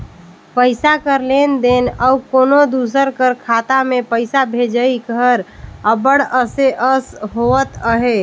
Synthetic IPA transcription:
pəɪsakəɾlend̪enəukonod̪us̬əɾkəɾkʰat̪amepəɪsabʱed͡ʒəikəɾəbəɽəseʔəsɦoət̪əɦe

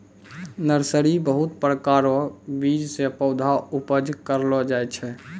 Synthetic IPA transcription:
nəɾsəɾibəɦut̪pɾəkaɾɔbid͡ʒsepəʊd̪ʱaupəd͡ʒkəɾlɔd͡ʒaɛt͡ʃʰɛ

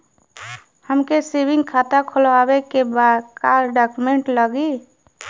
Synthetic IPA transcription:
həmkesebiŋɡkʰat̪akʰolabekebad̪kaɾɖakumeɳʈləɡi

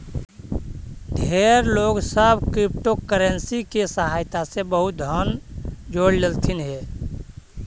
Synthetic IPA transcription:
d̪ʱeːɾloːɡsəbkɾip̚ʈokəɾənsikesəɦaːjt̪asebəɦʊt̪̚d̪ʱənd͡ʒoːɽlelt̪ʰinɦeː

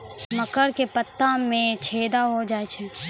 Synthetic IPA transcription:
məkəɾkepət̪ːamẽt͡ʃʰeːd̪aɦod͡ʒaːet͡ʃʰɛ

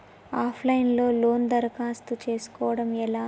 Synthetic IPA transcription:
aːpʰlɐjnlo̞ːlo̞ːnd̪ɐɾɐkaːst̪ut͡ʃe̞ːsu̥kɔːʋɐɽɐmɛlaː

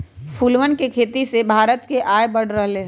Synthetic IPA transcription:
fʰuːlʋənkekʰeːt̪isebʱaːɾət̪keʔaːjbɐɽ̤ɾəɦle

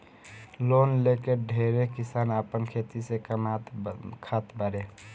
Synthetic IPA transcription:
lonlekeɖʱeɾekɪsaːnəpənkʰet̪isekəmakʰat̪bəɾe

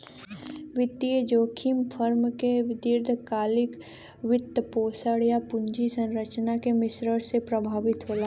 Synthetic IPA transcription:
ʋɪt̪iəd͡ʒoːkʰimpʰəɾmkeʋɪd̪ɪɾd̪ʱəkaːlɪk | ʋɪt̪ːpoːsəɽjapʊɲd͡ʒisə̃nɾət͡ʃnakemɪsɾəɽsepɾəbʱaːʋɪt̪ɦoːla

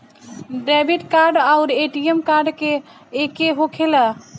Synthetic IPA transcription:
ɖɛbiʈkaɾɖaʊɾeʈiemkaɾɖkeː | keɦokʰelə

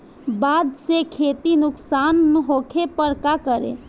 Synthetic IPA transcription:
bad̪sekʰeːt̪inʊksaːnːɦokʰepəɾkakəɾḛ

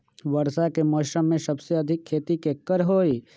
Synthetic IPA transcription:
ʋɐɾsakemɔːʃəmːẽsɐbseɐd̪ʱɪkʰːeːt̪ikekːəɾɦoːi

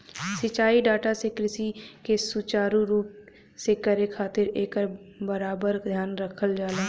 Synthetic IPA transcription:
sɪt͡ʃaːiɖaːʈasekɾɪsikesʊt͡ʃaːɾuɾuːp | sekəɾekʰaːt̪ɪɾeːkəɾbəɾaːbəɾd̪ʱjaːnɾəkʰəld͡ʒaːlaː

